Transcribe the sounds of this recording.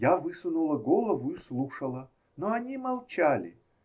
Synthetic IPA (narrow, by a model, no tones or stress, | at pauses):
javɨsʊnulˠəɡolˠəvʊislˠuʂəlˠə | noɐnʲimɐlˠt͡ɕalʲɪ̰